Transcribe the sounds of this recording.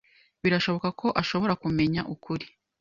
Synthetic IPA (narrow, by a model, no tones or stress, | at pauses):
βiɾaʃo̞βo̞kakʰo̞ʔaʃo̞βo̞ɾakume̞ɲaʔukʰuɾi̥